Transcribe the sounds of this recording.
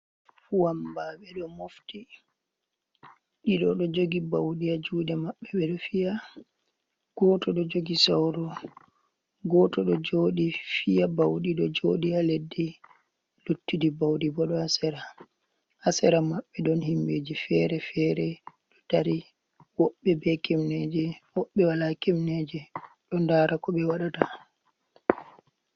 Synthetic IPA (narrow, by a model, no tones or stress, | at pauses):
fuwambaɓɛɗɔmofti | ɗiɗɔɗɔd͡ʒoɡibawɗiad͡ʒuːdɛmaɓːɛɓɛɗɔfija | ɡ̥ɔtɔɗɔd͡ʒoɡisawɾɔ | ɡɔtɔɗɔd͡ʒoːɗifijabawɗiɗɔd͡ʒoɗialedːi | lutːidibawɗibɔɗɔasɛɾa | asɛɾamaɓːɛdɔnhimbeːd͡ʒifɛːɾɛfɛɾɛ | ɗɔtaɾi | wɔɓːɛbɛkɛmnɛd͡ʒɛwɔɓːɛwalakɛmnɛd͡ʒɛ | ɗɔndaːɾakɔɓɛwaɗata